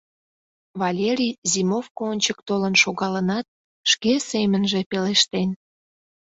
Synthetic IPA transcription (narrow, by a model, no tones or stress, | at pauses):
βɑlʲeɾʲijzimofkoonʲt͡ɕək̚t̪olənʃoɣɑlənɑt̪̚ | ʃkesemənʒepeleʃt̪en